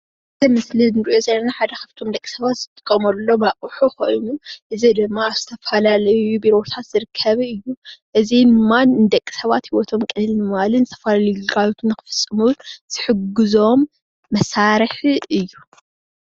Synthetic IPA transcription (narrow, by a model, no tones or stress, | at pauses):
ʔɨt̪ʰɐmɨslinɨɾʔozɐjnaħad̪ɐxɐft̪ʰo̞md̪ɐkʼisɐβat̪z̥ɨt̪ʼɨ̥kʼːɐmɐlːo̞maʔʼħuko̞jnuʔɨzid̪ɨmːaːβz̥ɨt̪ʰɐfɐlalɐjubiɾo̞t̪ʰat̪z̥ɨɾɨkʰːɐβɨjːuʔɨzinɨmːannd̪ɐkʼːi̥sɐβat̪hiwɔt̪ʰomkʼɨnɨlnɨmalɨnzɨt̪ʰɐfalalɐjuɡɨɡajt̪ʰunːɨxɨ̥fɨsʼɨmuz̥ɨħɨɡɨzo̞mː | ɐsaɾɨħɨjːu